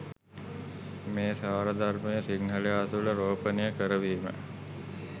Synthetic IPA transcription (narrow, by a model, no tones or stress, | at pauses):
meːsaːɾəd̪armejəsiɡnəlejaːt̪uləɾoːpənijəkəɾəʋiːmə̰